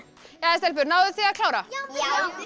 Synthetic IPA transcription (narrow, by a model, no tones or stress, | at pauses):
jaɛst̪ɛlp̬ʏɾnaːwðʏθiakʰlaːwɾa